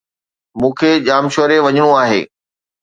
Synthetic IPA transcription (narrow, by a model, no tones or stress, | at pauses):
mũːkʰeʄaːmʃoːɾeʋɐɲɪɽ̃uaːɦḛː